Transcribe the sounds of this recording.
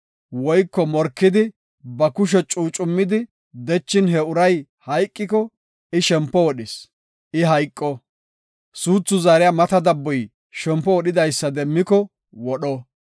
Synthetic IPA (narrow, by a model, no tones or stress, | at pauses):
wɔjkːɔmɔɾkːɪd̪ɪ | bɐkʊʃ̬ɛt͡ʃʼuːt͡ʃʼʊmːɪd̪ɪ | d̪ɛt͡ʃːɪnɦɛʊɾɐj | hɐjkʼːɪkɔ | ɪʃɛmpːɔwɔɗɪs | ʔɪɦɐjkʼːɔ | suːt͡sːʊzaːɾɪjamɐt̪ɐd̪ɐbːɔj | ʃɛmpːɔwɔɗɪd̪ɐjsːɐd̪ɛmːɪkɔ | wɔɗɔ